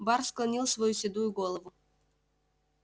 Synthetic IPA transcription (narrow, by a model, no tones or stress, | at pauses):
bɑɾsklˠɐnʲilˠsvɐjusʲɪd̪ujʊɡolˠəvʊ